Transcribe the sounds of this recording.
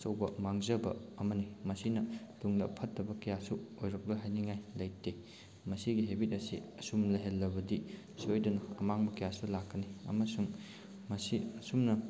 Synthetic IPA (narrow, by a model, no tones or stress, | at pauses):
sɐwbɐmaŋzɐbɐ̰ːmɐnimɐsinɐtuŋdɐ̰pʰɐtːɐbɐkɐjasuojɾɐk̚loɦajniŋajlɐjte | mɐsiɡiɦebit̚ɐsḭɐsumnɐɦelːɐbɐdi | sojdunɐɐmaŋbɐkɐjasulakːɐniɐ̰mɐsuŋ | mɐsiɐsumnɐ